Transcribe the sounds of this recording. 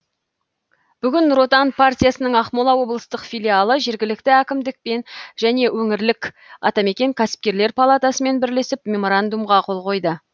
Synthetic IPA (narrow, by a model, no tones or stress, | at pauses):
b̥ʏɡʲɪnro̞t̪anpʰart̪ʲijasənəɴɑχmolˠɑwo̞blˠəst̪əqfʲijlʲialˠəʒe̞ɾɡʲɪlɪk̚t̪ɪækʲɪmd̪ɪk̚pe̞nʒæne̞wɵŋɪɾlɪkʲ | ɑ̰t̪ɑme̞kʲe̞ŋkʲʰæsɪ̥p̚kʲe̞ɾle̞ɾpʰalˠat̪asəme̞nbɪɾle̞sɪpmʲe̞mo̞ɾand̪umʁɑqʰo̞lˠqo̞jd̪ə